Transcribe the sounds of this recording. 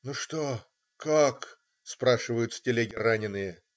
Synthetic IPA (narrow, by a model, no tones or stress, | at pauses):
nuʂt̪o | kak | spɾaʂɨvəjʊt̪sʲtʲɪlʲeɡʲɪranʲɪnːɨjə